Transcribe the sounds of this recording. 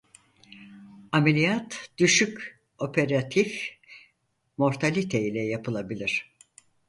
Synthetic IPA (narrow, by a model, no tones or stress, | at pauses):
amelʲijat̪d̪̥yʃyk | o̞pʰeɾat̪ʰif | mo̞ɾt̪ʰalʲit̪ʰeilʲɛjapʰɯlˠabilʲiɾ̥